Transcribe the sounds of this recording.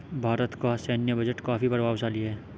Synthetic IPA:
bʱaːɾət̪kosɛːnjəbɐd͡ʒəʈkaːfipɐɾʋaːʋsaːliɛː

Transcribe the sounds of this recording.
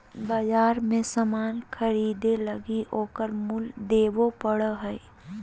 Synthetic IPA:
baːd͡ʒaːɾmẽsəmaːnkʰəɾiːd̪eləɡioːkəɾmuld̪eːʋopəɽəɦɛi

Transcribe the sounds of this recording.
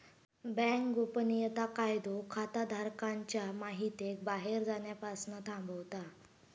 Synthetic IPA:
bɛ̃ŋkɡopənijət̪akajd̪okʰat̪ad̪ʱaɾkaɲt͡ɕjamaɦit̪ek̚baɦeɾd͡zaɳjapasnət̪ʰãmbəwt̪a

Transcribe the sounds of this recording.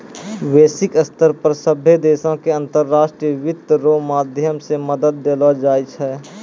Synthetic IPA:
ʋeːsɪkəst̪əɾpəɾsəbʱjed̪eːsõkeɐ̃nt̪əɾːaːʃʈɾijəʋɪt̪ɾomaːd̪ʱjəmseməd̪əd̪̚ːelod͡ʒaːit͡ʃʰɛ

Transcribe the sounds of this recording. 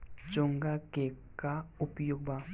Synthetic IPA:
t͡ʃoŋɡakekaupjoɡ̚ba

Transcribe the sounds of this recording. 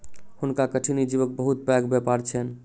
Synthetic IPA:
hunkakəʈʰinid͡ʒibək̚bəɦut̪̚bɛɡbɛpaɾt͡ʃʰɛn

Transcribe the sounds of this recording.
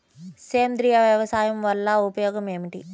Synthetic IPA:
seːnd̪ɾijɐʋjɐʋɐsaːjɐmʋɐlːɐupɐjɔːɡɐmeːmiʈi

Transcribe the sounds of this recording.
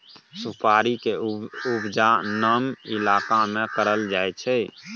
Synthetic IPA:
sʊpʰaːɾikeʊbd͡ʒanəmɪlaːkamẽkəɾəld͡ʒaːɛt͡ʃʰɛ

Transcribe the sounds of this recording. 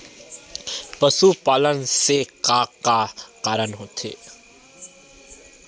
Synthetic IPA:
pəsupaːlənseqaːqːaqaːɾənɦoːt̪ʰḛː

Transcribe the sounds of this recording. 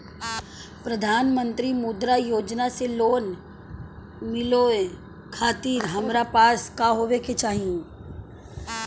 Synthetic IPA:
pɾɐd̪ʱaːnmə̃nt̪ɾimud̪ɾajoːd͡ʒnaseloːn | mɪloe | kʰaːt̪iːɾɦɐmɾapaːskaɦoːʋeket͡ʃaːɦiẽ

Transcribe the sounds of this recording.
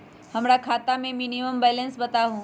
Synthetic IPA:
hɐmɾakʰaːt̪amẽmiːniməmbɛːlə̃nsbɐt̪aɦũː

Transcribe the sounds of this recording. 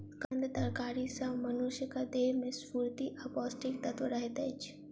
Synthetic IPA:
kɐnd̪d̪ɐɾkaːɾisɐ̃mɐnuʃjəkad̪eːmẽspuːɾt̪iʔɐpɔːsʈɪk̚t̪ɐt̪ʋəɾɐɦet̪ɛt͡ʃʰ

